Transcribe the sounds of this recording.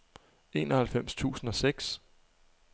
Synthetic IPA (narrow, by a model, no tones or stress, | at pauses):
e̝̰ːnɒhælfem̰st͡sʰṵːsn̩ɒ̽seɡ̥s